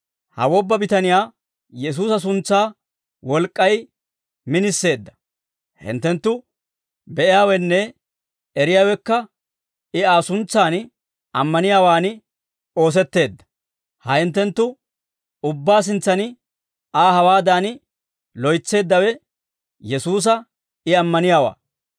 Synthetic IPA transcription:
hɐ̰wɔbːɐbɪt̪ɐnɪjaː | jɛs̬uːsɐs̬ʊnt͡sːaː | wɔlkʼːɐj | mɪnɪsːe̞ːd̪ːɐ̥ | hɪ̰nt̪ːɛnt̪ːʊ | bɛʔɪjaːwɛnːɛ | ɛɾɪjaːwɛkːɐ | ɪaːsʊnt͡sːaːn | ɐmːɐnɪjaːwaːn | o̞ːs̬ɛt̪ːe̞ːd̪ːɐ̥ | hɐhɪnt̪ːɛnt̪ːʊ | ʊbːaːs̬ɪnt͡sːɐn | aːhɐwaːd̪aːnɪ | lɔjt͡sːe̞ːd̪ːɐwɛ | jɛsuːs̬ɐ | ɪɐmːɐnɪjaːwa̰ː

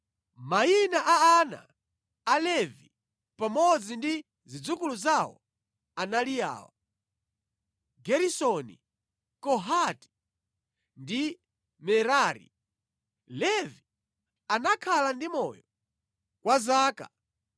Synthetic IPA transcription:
mainaʔaːna̰ː | lɛvi | pamɔd͡zindi | zid͡zukuluzawɔ̰ | analija̰ːwa | ɡɛɾisɔnḭ | kɔɦati̥ | ndi | mɛɾaːɾḭ | lɛvi | anakʰalandimɔjɔ | kwazaːka

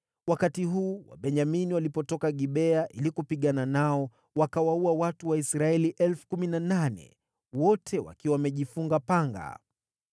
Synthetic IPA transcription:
wakatiɦuːwa̰ɓɛɲaminiwalipɔtɔkaɠiɓɛaʔilikupiɠananaɔ | wakawauawatuwaisɾaɛliʔɛlfu̥kuminananɛ̰ | wɔtʰɛwa̰kiwamɛʄifuŋɡapaŋɡa̰

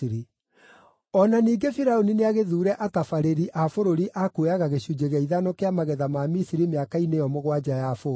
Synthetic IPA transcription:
ɾi | ɔnaniːɡefiɾaonineaɣeðuːɾɛʔatafaɾeɾiʔafoɾoɾiʔakweaɣaɣeɕud͡ʑeɣɛiðanokeamaɣɛðamamisiɾimeakainejɔmoɣwad͡ʑajafo

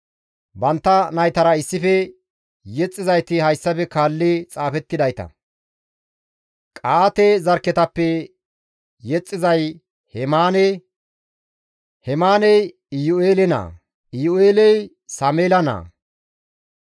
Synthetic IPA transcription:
bɐnt̪ːɐnɐjt̪ɐɾɐɪsːɪfɛ | jɛt͡sʼːɪzɐjt̪ɪhɐjsːɐpɛkaːlːɪt͡sʼaːfɛt̪ːɪd̪ɐjt̪ɐ̰ | kʼaːt̪ɛzɐɾkːɛt̪ɐpːɛ | ɛt͡sʼːɪzɐj | hɛmaːnɛ | hɛmaːnɛj | ɪjoeːlɛna̰ː | ɪjoeːlɛj | sɐmeːlɐna̰ː

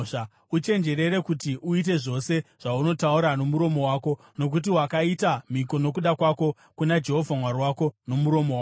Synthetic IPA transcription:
a | ut͡ʃe̞nd͡ʒe̞ɾe̞ɾe̞kutiʔuit̬e̞ʐo̞se̞ʐ̥auno̞tauɾano̞muɾo̞mo̞waːko̞ | no̞k̬ut̬iwakaitamiko̞no̞k̬uɗakwako̞ | kunad͡ʒe̞ɦo̞vʱamwarwako̞no̞muɾo̞mowa

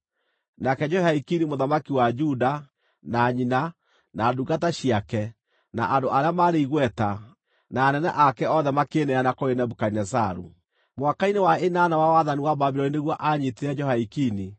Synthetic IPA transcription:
nakɛd͡ʒɔhaikinimoðamakiwad͡ʒuda | naɲina | naduɡataɕiakɛ | naʔandoʔaɾeamaɾeiɣwɛta | naːnɛnɛ̰ʔakɛɔðɛmakenɛanakoenɛbukainɛsaɾṵ | moakainewaenanawawaðaniwababiɾɔnineɣwɔʔaɲeteɾɛd͡ʒɔhaikini

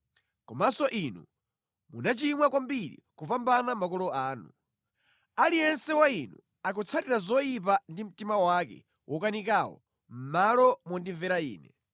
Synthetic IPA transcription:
kɔmasɔʔinu | munat͡ʃimwakwambiɾḭkupambanamakɔlɔaːnu | alijɛnsɛwainu | akɔt͡sʰatiɾazɔjip̬andim̩timawakɛ̰ | wʔɔkanikawɔ̰ | m̩malɔmwɔndiɱvɛɾaiːnɛ̰

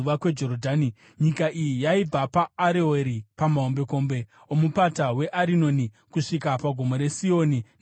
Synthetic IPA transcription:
uʋakwe̞d͡ʒo̞ɾodʱaːni | ɲikaʔijijaib͡vapaːɾeeɾipamaɦombe̞ko̞ːmbe̞ | omupatawe̞ʔaɾino̞ni | kuʂikapaɡʱo̞mo̞ɾe̞sio̞ːni

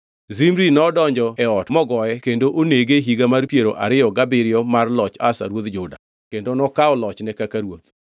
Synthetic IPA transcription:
zimɾinɔdɔɲd͡ʒɔɛɔtmɔɡɔɛkendoʔoneɡeɦiɡamarpjeɾo̰ʔaɾɪɔɡabɪɾɪjɔmarlɔt͡ʃa̰sa̰ɾwot̪d͡ʒʊda̰ | kendonɔkaɔlɔt͡ʃnɛkakaɾwot̪

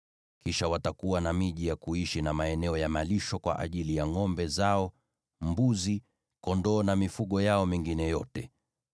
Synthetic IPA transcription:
kiʃawatakuwanamiʄijakuiʃinamaɛnɛɔjamaliʃɔkwa̰ʔa̰ʄilijaŋɔmbɛzaɔ | mbuzi | kɔndɔːnamifuɠɔjaɔmiŋɡinɛjɔtɛ

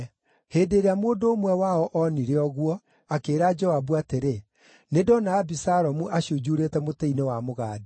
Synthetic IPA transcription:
heːdeɾeamoːndoːmwɛwaɔʔɔniɾeɔɣwɔ | akeːɾad͡ʒɔabuateɾe | nedɔnaːbisaɾɔmuʔaɕiod͡ʒuɾeːtɛmoteinewamoɣaːdi

